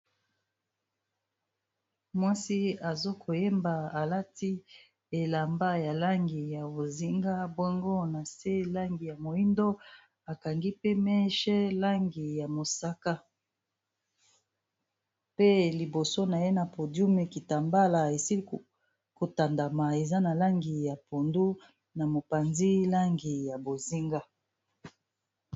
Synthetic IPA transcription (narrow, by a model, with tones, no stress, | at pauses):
mwa˦si˦a˨zo˦kʰo˨je˦mba˨a˨la˦ti˦ | e˨la˨mba˦ja˨la˦ŋɡi˨ja˨bo˨zi˦ŋɡa˦bɔ˦ŋɡo˦na˨se˦la˦ŋɡi˨ja˨mo˨i˦ndo˦ | a˨ka˨ŋɡi˦pe˦mɛ˦ʃɛ˦la˦ŋɡi˨ja˨mo˨sa˦ka˦ | pe˦li˨bo˨so˦na˨je˦na˨po˨dju˦me˨ki˨ta˨mba˦la˨e˨si˦li˦˨ | ko˨ta˨nda˨ma˨e˨za˦na˨la˦ŋɡi˨ja˨po˨ndu˦ | na˨mo˨pa˨nzi˦la˦ŋɡi˨ja˨bo˨zi˦ŋɡa˦